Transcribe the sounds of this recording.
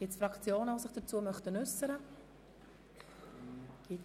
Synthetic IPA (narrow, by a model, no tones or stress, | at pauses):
ɡ̥ɪtsfɾɑkt͡sjoːnəvosɪχd̥əɾt͡suəmœχtənʉsəɾə | ɡ̥i